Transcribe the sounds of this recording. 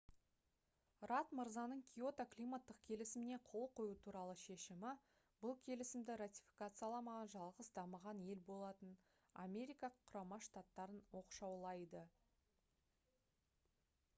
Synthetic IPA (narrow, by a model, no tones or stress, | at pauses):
rat̪məɾzɑnəɴkʲʰijo̞t̪aklijmat̪ːəq̚kʲʰe̞lɪsɪmɪneqʰo̞lˠqʰo̞jut̪ʰuɾɑlˠəʃe̞ʃɪmɪ | bʊlˠkʲʰe̞lɪsɪmd̪ɪɾat̪ʲi̥fʲi̥kat̪sɨjɑlˠɑmɑʁɑnʒɑlˠʁəsd̪ɑməʁɑnje̞lbo̞lˠɑt̪ən | a̰mʲe̞ɾijkɑqʰːʊɾɑmɑʃt̪at̪ːɑɾənwo̞qʃɑwlˠɑjd̪ə